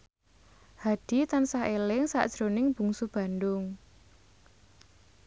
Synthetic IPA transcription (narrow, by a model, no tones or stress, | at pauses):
had̥i̤t̪ansahelɪŋsa̰ʔd̥ʒ̥ɾonɪŋb̥ṳŋsub̥a̤ndʊŋ